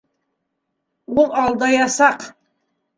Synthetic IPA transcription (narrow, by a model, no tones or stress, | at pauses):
wʊlˠɑlˠd̪ɑjɑsɑq